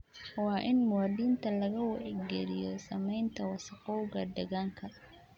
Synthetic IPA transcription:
wɑːʔɪnmʊwaːd̪iːnt̪ʰɐlɐɣɐwɑʕɛɡɛɾɪjɔsɐmɛjnt̪ʰɐwɑsɐqɔwɣɐd̪ɐɣaːŋkʰɐ

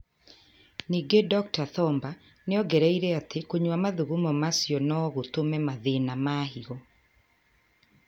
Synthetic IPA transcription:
niːɡedɔktaθɔmba | neɔɡɛɾɛiɾɛatekoɲwamaðuɣumɔmasjɔnɔɣotomɛmaðenamaɦiɔ

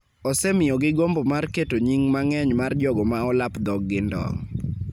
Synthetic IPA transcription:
ɔsɛmɪjɔɡɪɡombomarketoɲiŋmaŋɛɲmard͡ʒɔɡɔmaɔlapd̪ɔɡːɪndɔ̰ŋ

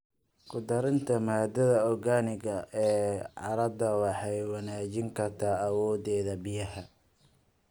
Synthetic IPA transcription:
kʰʊd̪ɐɾɪnt̪ʰɐmaːd̪ɐðɐɔɡaːnɪɣɐʔɛːʕɑɾɐbd̪ɐwɑħɑjwɑnaːt͡ʃɪŋkʰɐrt̪ʰaːɐwɔːðɛːðɐbɪjɐhɐ

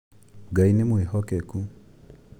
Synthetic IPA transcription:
ɡainemwehɔkɛku

